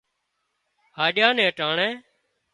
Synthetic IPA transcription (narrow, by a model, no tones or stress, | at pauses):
haːɗɪjãːnɛ̃ːʈaːɳɛ̃ː